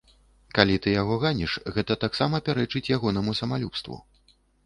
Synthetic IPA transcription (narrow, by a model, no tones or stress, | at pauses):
kalʲit̪ɨjaɣɔɣanʲiʂɣɛt̪ɐt̪aksamɐpʲaɾɛt͡ʂɨt͡sʲjaɣɔn̪ɐmusɐmalʲupst̪vṵ